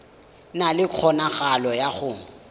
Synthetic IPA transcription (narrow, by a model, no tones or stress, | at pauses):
nalɪq͡χʰɔnaχalɔjaχʊːŋ̩